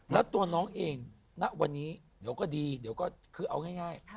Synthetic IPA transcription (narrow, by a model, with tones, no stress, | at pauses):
lɛ˦˥wt̪u˧ɐnɔː˦˥ŋʔeː˧ŋ | na˦˥ʔwa˧nːiː˦˥ | di˩˦əkɔː˥˩diː˧di˨˩˦əwkɔː˥˩kʰɯː˧˩ʔa˧wŋaː˥˩jŋaː˥˩j